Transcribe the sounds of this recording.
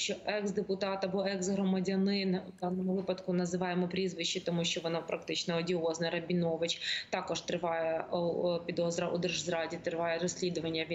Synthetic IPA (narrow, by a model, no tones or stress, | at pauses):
t͡ʃɔʔɛksd̪epʊt̪ɑt̪ɐbɔɛɡsɦɾɔmɐdʲɐnɪnd̪ɑnɔmʊʋɪpɐt̪kʊnɐzɪʋɑjemɔpɾʲizʋɪʃːit̪ɔmuʃt͡ʃɔʋɔnapɾɐkt̪ɪt͡ʃnɐɔdʲiɔznɐɾɐbʲinɔʋɪt͡ʃt̪ɑkɔʃt̪ɾɪʋɑjɛpʲid̪ɔzɾɐʔud̪ɛrʒzɾɑdʲit̪ɾɪʋɑjɛɾɔsʲlʲid̪ʊʋɐnʲːɐ